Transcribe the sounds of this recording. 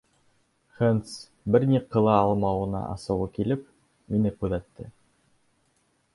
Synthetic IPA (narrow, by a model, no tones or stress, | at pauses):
χent̪s | bɘɾnʲiqɤ̆lˠɑɑlˠmɑwɤ̆nɑ̰ʔɑ̰sɤ̆wɤkilɘp̚ | minɘkʉðæt̪ːɘ̰